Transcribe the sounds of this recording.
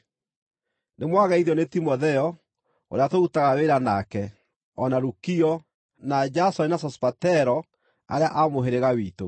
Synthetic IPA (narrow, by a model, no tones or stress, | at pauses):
nemwaɣaiðɔnetimɔðɛɔ | o̰ɾeatoutaɣaweɾanakɛ | ɔnaɾukiɔ | nad͡ʒasɔinasɔspatɛɾɔ | a̰ɾeaʔamoɦeɾeɣawiːto